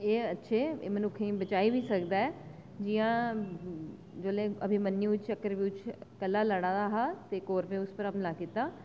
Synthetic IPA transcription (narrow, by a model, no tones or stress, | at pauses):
eːətːʃʰeːeːmənʊkʰĩːbət͡ʃaːiːbiːsəkd̪aːɛː | d͡ʒijãː | d͡ʒoːleːəbʱĩːmənːiːt͡ʃt͡ʃəkːəɾʋiʊt͡ʃkəlːaːlaːɽ̃ãːd̪aːɦaːt̪eːkoːɾpẽːʊspəɾəmlaːkiːt̪aː